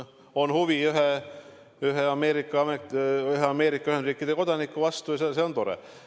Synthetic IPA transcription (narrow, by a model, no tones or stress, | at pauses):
o̞nhuʋiyɦe | yɦeɑme̞ːɾikːˑɑɑmeyɦeɑme̞ːɾikːˑɑyhend̪ɾiːkːˑid̪̥eko̞d̪̥ɑnikːˑuvɑst̪ujɑseseo̞nt̪o̞ɾḛ